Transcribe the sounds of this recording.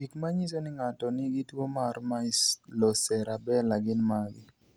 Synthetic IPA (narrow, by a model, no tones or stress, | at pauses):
ikmaɲisonɪŋatɔnɪɡɪtwomarmaɪslosɛɾabɛlaɡɪnmaɡɪ